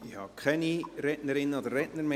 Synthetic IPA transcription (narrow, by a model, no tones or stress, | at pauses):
ihɑ̰kʰχɛniɾɛtnəɾɪnːəod̪əɾːɛtnəɾme